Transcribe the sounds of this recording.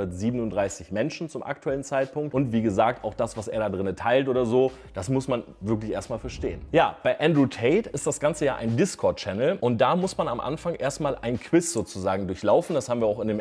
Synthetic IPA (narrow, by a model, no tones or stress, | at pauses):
ɐtz̥iːbənʊntdʁaɪsɪçmɛnʃn̩t͡sʊmʔa̰k̚tʰuɛlən̩t͡saɪt̚pʊŋktʔʊntv̥iːɡəzaːk̚taʊxd̥asv̥asḛːɐɾaːdʁɪnətʰaɪltʔoːdɐzoː | d̥asmʊsman | vɪɐk̬lɪçʔḛːɐstmaːlfɛɐʃtḛːənjaːb̥aɪʔɛndʁuːtʰɛɪtɪstd̥asɡ̥ant͡səjaːʔa̰ɪndɪskʰɔɐt̚t͡ʃɛnl̩ʔʊnt̚d̥aːmʊsmanamʔa̰nfaŋʔeːɐstmaːlʔa̰ɪnkʰv̥ɪsz̥oːt͡suzaːɡŋ̩dʊɐçlaʊfn̩dashaːbm̩viːɐaʊxɪndeːm